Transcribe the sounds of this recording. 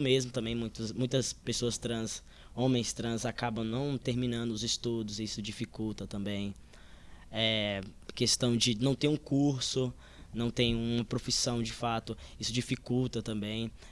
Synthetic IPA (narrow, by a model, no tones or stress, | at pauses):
mezmʊt̪ɐ̃mbẽj̃mũj̃t̪ʊsmũj̃t̪ɐspesoɐst̪ɾɐ̃s | õmẽj̃st̪ɾɐ̃zakabɐ̃w̃nɐ̃w̃t̪eɾmĩnɐ̃nd̪ʊʊzist̪ud̪ʊzisʊd͡ʒifikuwt̪ɐt̪ɐ̃mbẽj̃ | ɛkest̪ɐ̃w̃d͡ʒɪnɐ̃w̃t̪ẽj̃ũkuɾsʊ | nɐ̃w̃t̪ẽj̃ũmɐpɾofisɐ̃w̃d͡ʒɪfat̪ʊisʊd͡ʒifikuwt̪ɐt̪ɐ̃mbẽj̃